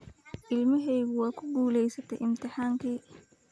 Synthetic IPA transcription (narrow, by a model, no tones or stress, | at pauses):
ʔɪlmɐɦɛjɣʊwɑːkʰʊɡuːlɛjsɐt̪ʰɛjʔɪmt̪ʰɪħaːŋkʰiː